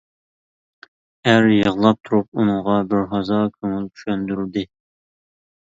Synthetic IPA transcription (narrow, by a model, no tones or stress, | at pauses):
æɾjəʁlˠɑp̚t̪ʰuɾup̚unɨŋʁɑbɪɾɦɑzɑkʲʰyŋylt͡ʃʰy̥ʃɛnd̪yɾd̪ɪ